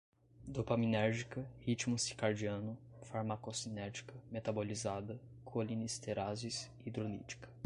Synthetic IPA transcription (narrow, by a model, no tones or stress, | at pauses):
d̪opɐminɛɾʒikɐhit͡ʃmʊsi̥kaɾd͡ʒiɐ̃nʊ | faɾmakosinɛɾd͡ʒi̥kɐmet̪abolizad̪ɐ | kʰolinist̪eɾazis | id̪ɾolḭt͡ʃi̥kɐ̥